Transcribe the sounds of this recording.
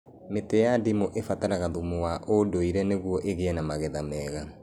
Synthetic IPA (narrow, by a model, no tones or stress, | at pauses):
metɛjadimoʔefataɾaɣaðumowaʔodoiɾɛneɣwɔʔeɣeɛnamaɣɛðamɛːɣa